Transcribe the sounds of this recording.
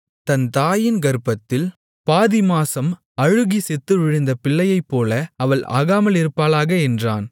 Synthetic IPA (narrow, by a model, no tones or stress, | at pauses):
t̪ɐnt̪aːjɪnɡɐɾɯpːɐt̪ːɪl | paːðɪmaːsɐm | ɐɻɯɣisɛt̪ːɯʋɪɻɯnd̪ɐpɪɭːɐjɐɪpːoːlɐɐʋɐɭʔa̰ːɣaːmɐlɪɾɯpːaːlaːɣɐɛndraːn